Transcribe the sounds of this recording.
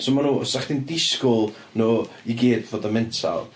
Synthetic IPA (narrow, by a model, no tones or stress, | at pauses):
somanuːɔsaχd̥indɪskʊlˠ | noː | iɡeːdvoːdəmɪntʰa̰lˠ